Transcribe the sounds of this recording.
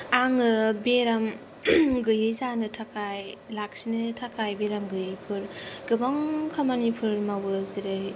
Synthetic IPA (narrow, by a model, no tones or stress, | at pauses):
aŋɯbeɾam | ɡɯjɯjzanɯtʰakajlak̚sinɯtʰakajbeɾamɡɯjɯjpʰɯɾɡ̥ɯbaŋkʰamanipʰɯɾmawɯziɾɯj